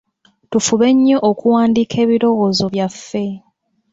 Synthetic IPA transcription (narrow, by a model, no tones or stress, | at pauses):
tufuβe̞ɲːo̞ʔokuwaːndikʰe̞ːβiɾo̞ɣozo̞βjafːe̞